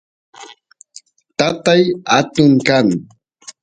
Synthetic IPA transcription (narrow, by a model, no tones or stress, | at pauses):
t̪at̪ajat̪ʊŋkaŋ